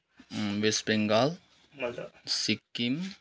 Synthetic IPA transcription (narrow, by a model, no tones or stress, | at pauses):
ʋespɾeŋɡal | msikːim